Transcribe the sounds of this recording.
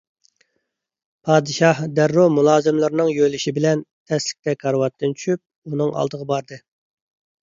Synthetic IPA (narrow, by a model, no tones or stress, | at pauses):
pʰɑːd̪ɨʃɑhd̪æɾːumulˠɑːzɨmlˠɨɾnɨŋjølɪʃibɪlɛnt̪ʰɛslɪ̥k̚ʲt̪ɛkʰɑɾwɑt̪ːɨnt͡ʃʰy̥ʃyp̚ | unɨŋʔɑ̰lˠd̪əʁɑbɑɾd̪ɨ